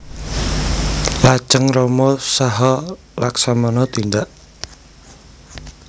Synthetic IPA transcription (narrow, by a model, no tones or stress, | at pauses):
lḁt͡ʃəŋrɔmɔsaɦɔ | laksamɔnɔt̪ind̪aʔ